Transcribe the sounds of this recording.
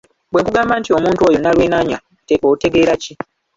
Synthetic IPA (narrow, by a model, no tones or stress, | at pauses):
bweŋkuɡaːmbantio̞muːntuo̞ːjonalweːnaɲa | tekoute̞ɡe̞ːɾaci